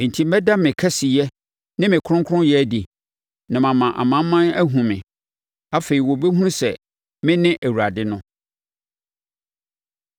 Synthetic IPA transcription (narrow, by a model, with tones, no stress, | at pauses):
n̩˨tʰi˦m˦ɛ˦da˦mɪ̃˨kʰɛ˦si˨jɛ˦ | nɪ̃˦mɪ̃˨kʰʊ̃˦ŋkʰʊ˦ʊ̃˦jɛ˦di˨ | nã˨mã˨mã˨ʔa̰˨mã˦m˦mːã˦næ˦ɦũ˨mɪ̰̃˨ | a˦fe˨ɾi˨wɔ˨be˦ɦũ˦sɛ̰˨ | mɪ̃˦nɪ̃˦ʔæ˨wu˨ɾa˨dɪ˦nʊ̃˦